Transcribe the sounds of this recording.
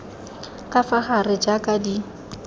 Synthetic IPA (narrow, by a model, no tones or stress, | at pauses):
kʼafaχarɪd͡ʒakʼadi